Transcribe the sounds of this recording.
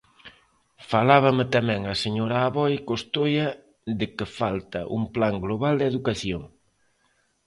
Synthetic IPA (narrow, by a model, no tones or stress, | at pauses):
falaβ̞ɐmɪt̪amɛ̃ŋɐseɲoɾaːβɔjkost̪ojɐ | ðɪkɪfalt̪ɐ̰ʔṵŋplaŋɡloβald̪eðukaθjoŋ